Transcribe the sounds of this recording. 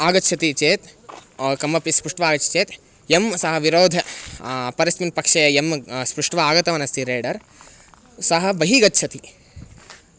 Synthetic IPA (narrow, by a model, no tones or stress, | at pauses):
aːɡɐtːʃʰɐt̪it͡ʃeːt̪ː | kɐmːɐpispɾuʂʈʋaːɡɐtt͡ʃʰɐ̥t͡ʃeːt̪ | emsɐɦɐʋiɾoːd̪ʱɐpɐɾismimpɐkʂɐjɐemspɾuʂʈʋɐaːɡɐt̪ɐʋɐnɐst̪iɾeːɖɐɾ | sɐɦɐ̆ʋɐɦiɡɐtːʃʰɐt̪i